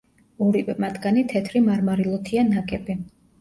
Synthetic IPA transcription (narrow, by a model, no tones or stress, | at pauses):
ɔɾipɛmat̪ʰɡanit̪ʰɛt̪ʰɾimaɾmaɾilˠɔt̪ʰianakʼɛbi